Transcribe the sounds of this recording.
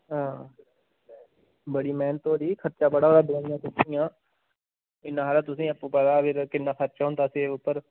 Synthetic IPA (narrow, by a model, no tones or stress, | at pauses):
ɦãː | bəɽiːmɛːnt̪oːɾiːkʰəɾt͡ʃaːbəɽaːoːɾaːbɪlãːnjãːt̪ʊsĩːãː | ɪnːãːɦaːlaːt̪ʊsĩːəpːũːpədaːpʰɪɾkɪnːãːkʰəɾt͡ʃaːɦʊ̃nd̪aːseːʊpːəɾ